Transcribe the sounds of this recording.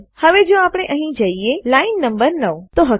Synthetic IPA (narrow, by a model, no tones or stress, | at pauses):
həʋed͡ʒoapɽ̃eʔəɦĩd͡ʒəielainːəmbəɾnəwt̪oɦə